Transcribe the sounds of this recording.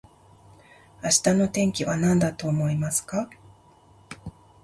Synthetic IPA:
aɕi̥t̪ano̞t̪ẽ̞ŋkʲiβanãnd̪at̪o̞ːmo̞imasɨ̥ka

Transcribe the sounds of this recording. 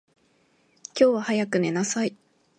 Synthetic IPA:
kʲo̞ːβahajakɯ̟ne̞nasai

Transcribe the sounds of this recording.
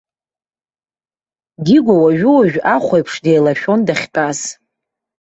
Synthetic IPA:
ɡʲiɡʷawaʒᶣʊwaʒᶣaχʷajpʰʂdejlaʃᶣo̞ndaχʲpʼaz

